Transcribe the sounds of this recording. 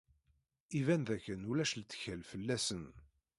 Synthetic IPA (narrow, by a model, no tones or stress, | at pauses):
ivænðækːənulæʃlt̪ːə̥çəlfəlːæsən